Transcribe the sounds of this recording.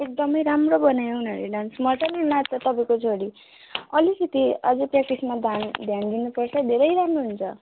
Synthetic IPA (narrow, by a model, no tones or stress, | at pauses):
ek̚d̪ʌmʌjɾamrobʌnajoɦnʌɾeɖansmʌt͡sʌnenatʌt̪ʌpaĩkot͡sʰoɽi | ʌlikit̪iʌd͡zʌprak̚t̪ismad̪ʱand̪ʱjand̪inupʌrt͡sʰʌd̪ʱeɾʌjɾamroɦunt͡sʰʌ